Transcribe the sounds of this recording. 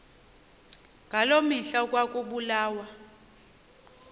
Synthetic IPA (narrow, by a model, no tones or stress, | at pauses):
ŋɡʱalomiɬak̬ʼwak̬ʼuɓulaːwa